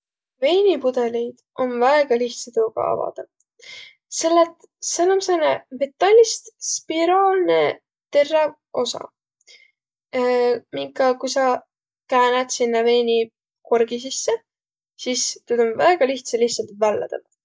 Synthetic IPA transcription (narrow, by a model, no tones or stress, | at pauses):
ve̞ːnʲipud̪̥elʲijd̪̥ʔo̞nvæeɡ̥ɑliht̪set̪uɡɑ̰ɑ̰vɑ̰d̪ɑv | se̞lːet̪ | sɑlmsɑnevet̪ːɑlʲːist̪spiɾoːlne | t̪e̞rːe | o̞sɑ̰ | miŋkːˑɑkujsɑ | kæːned̪sinːɑve̞ːnʲi | korɡ̥is̬isːe | sist̪yd̪̥o̞nvæeɡ̥ɑliht̪sɑliht̪sɑlt̪vælːɑ̰d̪ɑ̰v̥